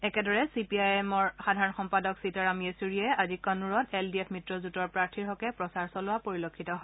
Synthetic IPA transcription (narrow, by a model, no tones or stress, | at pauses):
ɛkɛdɔɹɛsipiajɛmɔɹxadʱaɹɔnxɔmpadɔksitaɹamiesuɹiɛazikɔnuɹɔteldiɛpʰmitɹɔzutɔɹpɹaɹtʰiɹɦɔkɛpɹɔsaɹsɔlʊwapoɹilokʰːitɔɦɔ